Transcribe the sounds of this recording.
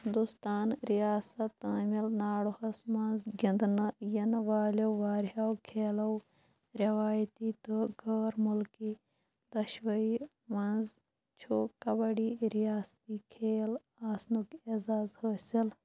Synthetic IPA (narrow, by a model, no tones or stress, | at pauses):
hɪnd̪ust̪aːnɾijaːsɐt̪ːaːmilnaːɽuhɐsmɐnzɡʲɪnd̪nɐjɐnʋaːlʲɐwʋaːɾɦaːwkʰeːlɐw | ɾʲɐʋaːjt̪iːt̪ɨɡʱɐːɾmulki | d̪ɐʃʋɐiː | mɐnz | t͡ʃʰokɐbɐɽiːɾijaːst̪iːkʰeːl | aːsnukezaːzhəsil